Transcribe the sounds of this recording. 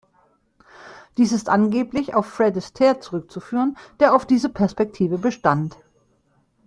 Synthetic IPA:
d̥iːsɪstʔanɡeːplɪça̰ʊfːʁɛdɪstʰɛːɐt͡suʁʏk̚t͡sufyːʁ̞ənd̥eːɐaʊfd̥iːzəpʰɛɐspɛk̚tʰiːvəbəʃtant

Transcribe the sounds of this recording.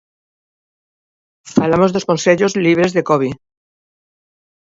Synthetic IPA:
falamo̞zðosko̞nseʎo̞zliβ̞ɾe̞zðe̞koβi

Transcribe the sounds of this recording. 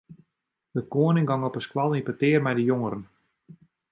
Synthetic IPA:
dəkoənɪŋɡɑŋɔpəskwalˠinpətɪərmɛjdəjoŋəɾən

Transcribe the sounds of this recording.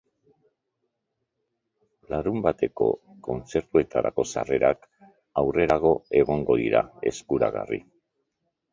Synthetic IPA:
laɾumbat̪e̞ko̞̰ | ko̞nt͡se̞ɾt̪ue̞t̪aɾa̰ko̞sa̰re̞ɾak | awre̞ɾaɣ̞o̞e̞ɣ̞o̞ŋɡo̞ðiɾae̞skuɾa̰ɣa̰rḭ

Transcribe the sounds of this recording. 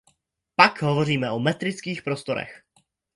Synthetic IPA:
pakɦovo̞riːmɛʔomɛt̪ɾɪt͡skiːxpɾost̪o̞ɾɛ̰x

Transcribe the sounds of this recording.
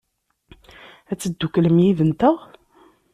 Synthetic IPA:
æt͡sːəd̪ːukləmjiðənt̪əʁ

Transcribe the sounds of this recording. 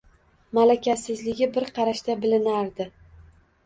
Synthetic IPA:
malakʲʰasɪzlɪɡʲɪbɪɾqʰɑɾaʃt̪abɪlɪnaɾd̪ɪ

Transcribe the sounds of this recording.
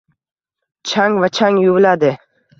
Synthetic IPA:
t͡ʃʰaŋvat͡ʃʰaŋjuwlad̪ɪ

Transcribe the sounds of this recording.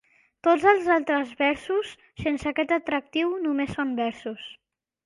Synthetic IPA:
t̪od͡zəlˠzalˠt̪ɾəzβɛɾsusːensəkɛt̪ət̪ɾək̚t̪iwnumesːombɛɾsus

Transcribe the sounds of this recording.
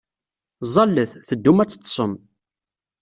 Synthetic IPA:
zˤɑlːəθθəd̪ːumæt͡sːə̥t̪ːˤsˤəm

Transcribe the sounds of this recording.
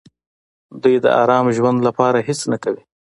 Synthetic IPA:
d̪ujd̪ə̰ʔa̰ɾɑmʒwand̪lapɑɾahɪsnakawi

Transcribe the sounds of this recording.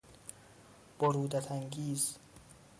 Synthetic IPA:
b̥oɾuːd̪æt̪ʰæŋɡʲiːz

